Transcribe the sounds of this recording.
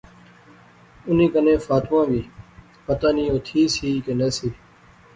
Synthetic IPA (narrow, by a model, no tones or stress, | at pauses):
ʊnĩːkənẽːfaːt̪ʋãːʋiː | pət̪aːnĩːoːt̪ʰiːsiːkeːneːsiː